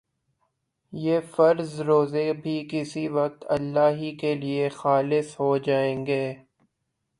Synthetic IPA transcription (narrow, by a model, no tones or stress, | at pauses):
jeːfɐɾzɾoːzebʱikɪsiʋɐq̚t̪ɐ̰lːaːɦikeliexaːlɪsɦod͡ʒaːẽːŋɡeː